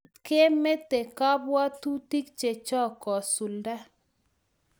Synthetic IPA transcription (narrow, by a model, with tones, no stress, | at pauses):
ke˦me˦t̪e˨ka˦bwa˦tu˦ti˦kt͡ʃe˨t͡ʃɔ˦kɔ˨su˨lda˦